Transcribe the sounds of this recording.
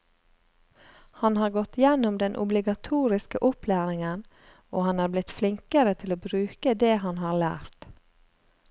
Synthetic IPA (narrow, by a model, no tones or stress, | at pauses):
hɑnhɑːɾɡɔt̪jɛnʊmd̪ɛnʔʊ̰blɪɡɑt̪ʰuːɾɪskəʔʊplæːɾɪŋən | oːhɑnɑːɾblɪt̪flɪŋkəɾət̪ʰɪloːbɾʉːkəd̪eːhɑnhɑːɾlæ̰ːɾt̪